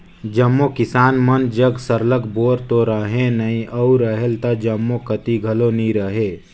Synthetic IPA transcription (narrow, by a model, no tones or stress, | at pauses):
d͡ʒɐmːokɪsaːnmənd͡ʒəɡsəɾləkboːɾt̪oɾəɦẽnɐĩʔəuɾɐɦelt̪ad͡ʒɐmːokət̪iɡʱɐlonĩɾəɦeː